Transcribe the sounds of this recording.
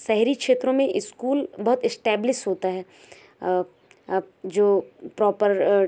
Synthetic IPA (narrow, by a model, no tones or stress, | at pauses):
sɛɦɾikʃeːt̪ɾõmẽʔɪskuːlbɐɦʊt̪ɪsʈɛːblɪʃʈɦoːt̪aɦɛː | d͡ʒoːpɾɔːpəɾ